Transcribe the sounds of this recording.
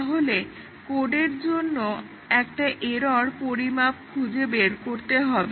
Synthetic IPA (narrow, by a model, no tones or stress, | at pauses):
ɦole | koɖeɾd͡ʑonːo | ɛkʈaʔeɾɔɾpoɾimap̚kʰud͡ʑebeɾkoɾt̪eɦɔbe